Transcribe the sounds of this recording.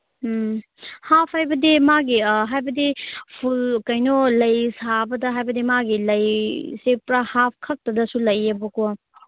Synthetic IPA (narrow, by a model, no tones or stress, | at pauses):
hapʰhajbɐdimaɡiɦajbɐdipʰulkɐjnolɐjsabɐdɐɦajbɐdimaɡilɐjsepɾahap̚ʰkʰɐk̚tɐdɐsulɐjɐbɐko